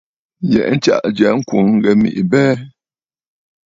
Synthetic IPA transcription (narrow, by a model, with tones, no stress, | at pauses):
jɛ̰˨ʔn̩˦t͡ʃa̰˦ʔd͡ʒɛ˨ŋ̩˦kwu˨ŋ̩˦ɡɛ˨mḭ˨ʔbɛː˦